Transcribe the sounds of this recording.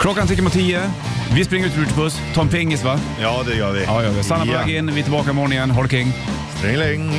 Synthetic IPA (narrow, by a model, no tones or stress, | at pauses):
kʰlɔkːanʰɪk̪̬ːɾmʊt̪ʰːiːə | vɪspɾɪŋːɾʉt̪ɪːʈ̪ɪpɵst̪ʰɑːɾɛnpʰɪŋːɪst̪va | jɑːd̪ɛjœːʋɪjɑːjœːɾʋɪstanːapɔvɛːɡɪnːvɪt̪ɪlbɑːkamɔːɳɪŋənɦɔɽkɪŋː | spɾɪŋlɪŋ